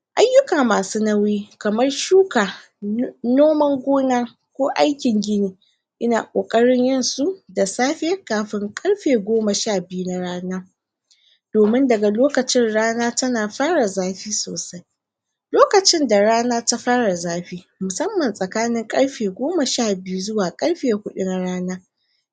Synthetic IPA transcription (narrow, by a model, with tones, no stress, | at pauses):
ʔa˦jːʊ˦kaː˨maː˨suː˦na˦wi˦kɐ˨mɐ˦rʃuː˦kaː˨ | noː˦mɐ˦ŋɡʷoː˦naː˦ | kʷoː˦ʔa˦jkʲɪ˨ŋɡʲɪ˦niː˨ | ʔɪ˦na̰ː˨kʷʼo̰ː˨kʼɐ˦ɽɪ˦ɲjɪ˦˨nsu˦da˨saː˦ɸɪ˦jɐ˦kaː˨ɸɪ˦ŋkʼɐ˦ɽɸeː˨ɡʷoː˦mɐ˨ʃaː˦˨bɪ˦ju˦na˦ɽaː˦naː˦ | d̥oː˨mɪ˦ndɐ˨ɡa˨loː˦kɐ˨t͡ʃɪ˦nɽaː˦naː˦tɐ˦naː˨ɸaː˦ɽa˨zaː˦ɸiː˦so̰ː˨sa˦j | loː˦kɐ˨t͡ʃɪ˦nda˨ɽaː˦naː˦ta˦ɸaː˦ɽa˨zaː˦ɸiː˦ | mʊ˨sɐ˦mːɐ˨nsʼɐ˨kaː˦nɪ˦ŋkʼɐ˦ɽɸeː˨ɡʷoː˦ma˨ʃaː˦˨bɪ˦ju˦zʊ˦waː˨kʼɐ˦ɽɸeː˨kʷʊ˦ɗʊ˦na˦ɽaː˦naː˦